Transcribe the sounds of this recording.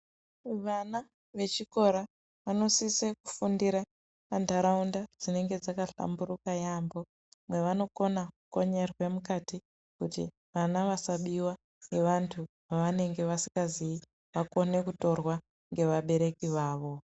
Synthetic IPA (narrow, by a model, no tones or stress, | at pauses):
ʋana | ʋe̞t͡ʃiko̞ɾa | ʋano̞siseku̥fundiɾa | pandʱaɾaundad͡zine̞ŋɡe̞d͡zakaɬa̰mbuɾukajambo̞ | mwe̞ʋano̞ko̞nakuko̞ɲe̞rwe̞mukati | kutḭ | ʋanaʋasaɓiwa | ŋɡe̞ʋantʰu | ʋaʋane̞ŋɡe̞ʋasi̥ŋɡazii | ʋako̞ne̞kuto̞rwa | ŋɡe̞ʋaɓe̞ɾe̞kiʋaːʋo̞